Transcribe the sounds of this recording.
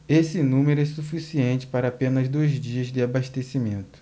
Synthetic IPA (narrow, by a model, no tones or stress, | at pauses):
esɪnũmeɾʊɛsufisiẽnt͡ʃɪ̥paɾɐapẽnɐzd̪ojzd͡ʒiɐzd̪ɪabaʃt̪esimẽnt̪ʊ̥